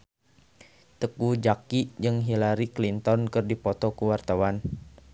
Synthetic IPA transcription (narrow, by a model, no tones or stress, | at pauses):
t̪əkud͡ʒakid͡ʒɨŋɦilaɾiklint̪ɔnkɨrdipɔt̪ɔkuwart̪awan